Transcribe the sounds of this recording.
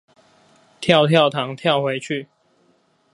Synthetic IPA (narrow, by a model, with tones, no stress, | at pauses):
t̪ʰjɑ˥˨ʊt̪ʰjɑ˥˨ʊt̪ʰɑ˧˥ŋt̪ʰjɑ˥˨ʊxwe˨˦ɪt͡ɕʰy˥˨